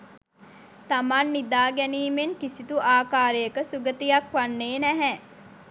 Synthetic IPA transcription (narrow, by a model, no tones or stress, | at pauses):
t̪amanːid̪aːɡɛniːmeŋkisit̪uʔaːkaːɾəjəkəsuɡət̪ijakʋanːeːnɛɦɛ